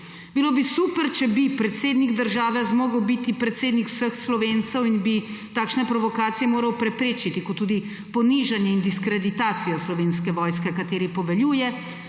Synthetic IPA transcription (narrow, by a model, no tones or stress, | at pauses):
biloːbisuːpəɾt͡ʃɛbipɾɛt̪seːd̪niɡd̪əɾʒaːʋɛzmoːɡəwbit̪ipɾɛt̪seːd̪nikw̥səxslɔʋeːnt̪sɛwinbit̪aːkʃnɛpɾɔʋɔkaːt̪sijɛmoːɾɐwpɾɛpɾeːt͡ʃit̪ikɔt̪ːuːd̪i | pɔniʒanjɛind̪iskɾɛd̪it̪aːt̪sijɔslɔʋeːnskɛʋɔːjskɛkat̪eːɾipɔʋɛljuːjɛ